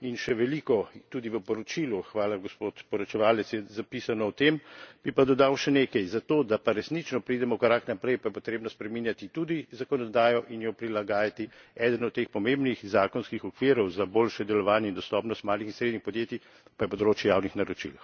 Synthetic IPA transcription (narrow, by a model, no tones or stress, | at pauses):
inʃɛʋɛlikɔt̪ud̪iʋəpɔɾɔt͡ʃiluxʋaːlaɡɔspot̪pɔɾɔt͡ʃɛʋaːlɛt̪sjɛzapisanɔɔt̪emb̥ipad̪ɔd̪awʃɛneːkɛjzat̪oːd̪apaɾɛsnit͡ʃnɔpɾid̪ɛmɔkɾaknapɾɛjpajɛpɔt̪ɾeːbnɔspɾɛminjat̪it̪ud̪izakɔnɔd̪aːjɔʔinjɔpɾilaɡaːjat̪iɛd̪ənɔt̪̚ːexpɔmembnixzaːkɔnskixɔkʋiːɾɔwzaboːlʃɛd̪ɛlɔʋaːnjɛind̪ɔst̪ɔːpnɔst̪maːlixinsɾed̪nixpɔd̪jeːt̪i | pajɛpɔd̪ɾoːt͡ʃjɛjaːwnixnaɾɔt͡ʃḭl